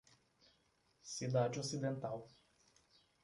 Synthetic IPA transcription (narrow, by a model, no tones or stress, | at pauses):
sid̪ad͡ʒɪosid̪ẽnt̪aw